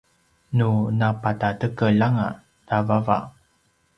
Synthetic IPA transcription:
nunapatatəkəɭaŋa̰ | navava̰

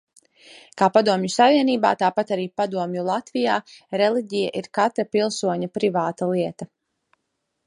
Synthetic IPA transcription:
kaːpad̪uɔmjusaviɛniːba̰ːt̪aːpat̪aɾiːpad̪uɔmjulˠat̪vijaːɾelˠiɟʲija̰ʔiɾkat̪ɾapilˠsuɔɲapɾivaːt̪alˠiɛt̪a

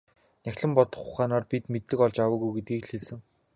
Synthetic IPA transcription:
næxʲɮɘ̆mpɔt̪ɞ̆χʊχaːnaːrpit̪met̪ːɘ̆kɔɮt͡ɕawə̆ːɣujɡet̪̚ɡiːkɬxeɮsɘ̆ŋ

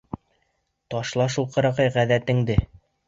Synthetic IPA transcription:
t̪ɒʃlˠɑʃulˠqɤ̆ɾɑqɤjʁæðæt̪ɘ̆ŋd̪ɘ

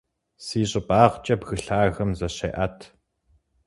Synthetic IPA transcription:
siːɕʼɪbaːʁt͡ʃʼɐbɣɨɬaːɣɐmzɐɕḛːʔɐtʰ

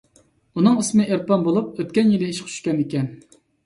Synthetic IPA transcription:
unɨŋɨsmɨʔeɾpɑnbolˠup̚øt̪̚ʲkʲɛnjilɪiʃqʰt͡ʃʰy̥ʃkʲɛnikʲɛn

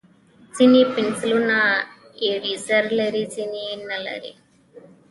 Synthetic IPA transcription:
sinipinsluna | eɾisɐɾleɾisininːɐlɐ̰ɾḭ

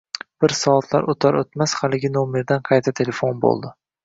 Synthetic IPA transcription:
b̥ɪɾsɒːt̪ʰla̰ɾʔot̪ʰaɾot̪mashalɪɡʲɪnome̞ɾd̪anqʰɑjt̪ʰat̪ʰe̞le̞fonbo̰lˠd̪ɪ

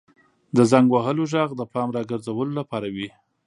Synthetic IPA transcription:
d̪əzaŋɡwaɦəloʒɑɣd̪əpɑmɾɑɡəɾzawəlolapɑɾawi

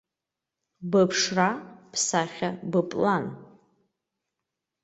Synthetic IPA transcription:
bapʰʂrapʰsaχʲabɨpʼlan

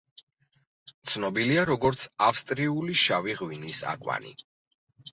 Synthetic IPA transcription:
t̪sʰnɔbiliaɾɔɡɔɾt̪sʰafst̪ʼɾiuliʃaviʁwinisa̰kʼwa̰nḭ

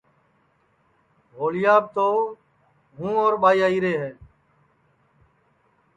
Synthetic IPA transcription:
ɦoːlɪjaːb̚t̪oː | ɦũːoːɾɓaːiːaːiːɾeːɦɛː

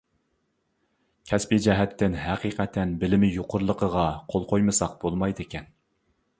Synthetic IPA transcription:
kʲʰɛspid͡ʒɛɦɛt̪ʰːɪnɦæqiqʰɛt̪ʰːɛnbɪlɪmɪjoqʰʊɾlˠəqʰəʁɑqʰolˠqʰojmɨsɑqb̥olˠmɑjd̪ɨkʲʰɛn

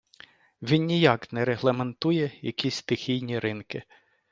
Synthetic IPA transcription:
ʋʲinnʲijɑknɛɾeɦlˠɐment̪ujɛjɐ̰kʲisʲst̪ɪxʲijnʲiɾɪnkɪ

